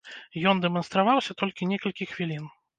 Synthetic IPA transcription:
jɔnd̪ɛmɐnst̪ɾavawsʲɐt̪ɔlʲkʲinʲɛkɐlʲkʲixvʲilʲin

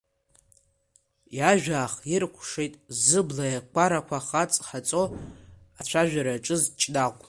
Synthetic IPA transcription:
jaʒᶣaːχirkʷʰʂejtʼzɨblajakʷaɾakʷʰaχat͡sʼħat͡sʼo̞ | at͡ɕʷʰaʒᶣaɾaʈ͡ʂʼɨzt͡ʃʼdaqʷʼ

